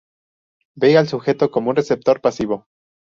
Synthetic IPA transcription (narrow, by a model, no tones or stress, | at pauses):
bealsuxe̞t̪o̞ko̞mounresep̚t̪o̞ɾpasiβo̞